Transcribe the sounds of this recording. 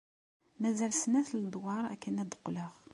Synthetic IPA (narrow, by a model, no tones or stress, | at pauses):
mæzælsnæθləd̪wɑɾˤæ̰kːənæd̪ə̥qːləʁ